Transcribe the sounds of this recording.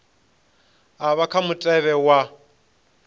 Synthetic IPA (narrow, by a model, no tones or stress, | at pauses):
aβakʰamʊtʼɛβɛwa